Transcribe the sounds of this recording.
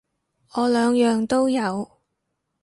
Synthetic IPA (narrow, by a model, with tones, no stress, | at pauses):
ɔː˨˧lœː˨˧ŋjœː˨˧ŋt̪o˥wjɐ˨˧w